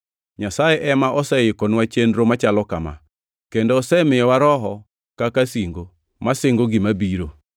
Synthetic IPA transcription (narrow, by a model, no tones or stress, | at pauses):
ɲasajeʔɛmaʔɔsɛjɪkɔnwat͡ʃendɾomat͡ʃalɔkama̰ | kendoːsɛmɪjɔwaɾɔɦɔ | kakasiŋɡo | masɪŋɡoɡɪmabiɾo